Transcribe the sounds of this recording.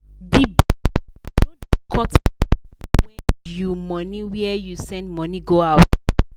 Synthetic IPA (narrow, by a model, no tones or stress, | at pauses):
dib | dõndkʰɔt | wɛ̃njumɔniwɛɛjusɛ̃ndmɔ̃niɡoaʊt